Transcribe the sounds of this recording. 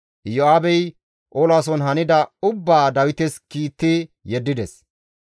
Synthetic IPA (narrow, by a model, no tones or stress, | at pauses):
jɔaːbɛj | ʔoːlaːs̬ɔnɦɐnɪd̪ɐʊbːaːd̪ɐwɪt̪ɛskiːt̪ːɪjɛd̪ːɪd̪ɛs